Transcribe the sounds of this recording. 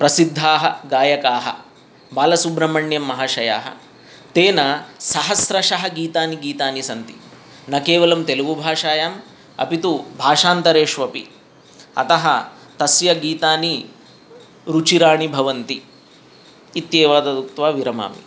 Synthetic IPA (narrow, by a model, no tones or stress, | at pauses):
pɾɐsid̪ʱːaːɦɐ̰ɡaːjɐkaːɦɐ̰ | baːlɐsubɾɐmɐɳjɐmːɐɦaːʃɐja̰ːɦɐ̰ | t̪eːnɐsɐɦɐsɾɐʃɐɦɐɡiːt̪aːniɡiːt̪aːnisɐnt̪i̥̰ | nɐkeːʋɐlɐmt̪elɐʋubʱaːʂaːjaːm | ɐ̰pit̪ubʱaːʂaːnt̪ɐɾeːʂʋɐpḭ | ɐ̰t̪ɐɦɐ | t̪ɐsjɐɡiːt̪aːni | ɾut͡ʃiɾaːɳibʱɐʋɐnt̪i | t̪jeːʋaːd̪ɐd̪uk̚t̪ʋaːʋiɾɐma̰ːmḭ